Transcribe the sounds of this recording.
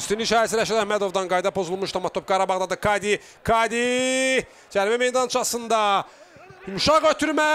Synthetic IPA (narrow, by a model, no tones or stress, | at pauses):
st̪inliʃɑːɾæsiɾæʃæd̪æhmæd̪o̞vd̪ɑnɡɑjd̪ɑpʰo̞zulˠmuʃt̪ɑmɑt̪ʰːop̚ɡɑɾɑbɑʁd̪ɑd̪ɯkʰɑd̪i | kʰɑd̪i | d͡ʒæɾmæmejd̪ɑnt͡ʃʰɯɑsɯnd̪ɑ | imʃɑʁøt̪ʰyɾmæ